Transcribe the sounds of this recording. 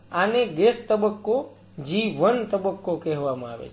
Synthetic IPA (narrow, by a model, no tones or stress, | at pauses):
aned̪est̪əbəkːo | d͡ʒiʋənt̪əbəkːokɛɦʋamãa̰ʋḛt͡ʃʰ